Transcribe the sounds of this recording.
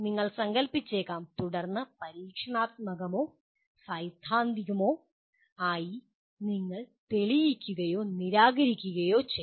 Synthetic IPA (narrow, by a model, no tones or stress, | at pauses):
niŋːɐɭsɐŋɡɐlpit͡ɕːeːkːaːmt̪uɽɐrnːɐpɐɾiːkʂɐɳaːt̪̚mɐɣɐmoː | sɐjd̪ʱːaːnd̪iɣɐmo̞ː | aːji | niŋːɐɭt̪eɭijikʲːuɣɐjo̞ːniɾaːɣɐɾikʲːuɣɐjoːt͡ɕe